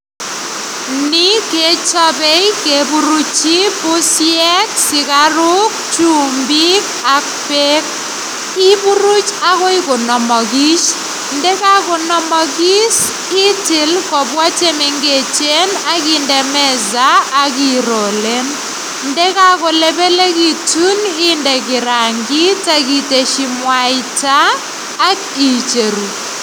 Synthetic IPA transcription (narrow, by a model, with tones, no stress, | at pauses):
ni˦ke˦t͡ʃɔ˦be˦i˦ke˨bu˦ɾu˦t͡ʃi˦pʊ˦sjɛ˦ksɪ˨ka˦ɾu˦k̚t͡ʃu˦˨mbi˦ka˨k̚pe˦k̚ | ɪ˦bu˦ɾu˦t͡ʃa˦kɔ˦ɪ˦ko˨nɔ˨mɔ˨ɡi˦t͡ʃ | ndɛ˦ka˦ko˨nɔ˨mɔ˨ɡi˦s | ɪ˦tɪ˨lkɔ˨bwa˦t͡ʃe˦me˨ŋɡe˨t͡ʃe˦na˦kɪ˦ndɛ˨mɛ˦zaː˦ki˦ɾɔ˨le˦n | ndɛ˦ka˦kɔ˨lɛ˦be˦le˦ki˨tu˦nɪ˦ndɛ˨kɪ˨ɾa˨ŋɡi˦ta˦ki˨te˨ʃi˦mwa˨ɪ˦taː˦ | ki˨t͡ʃe˨ɾu˨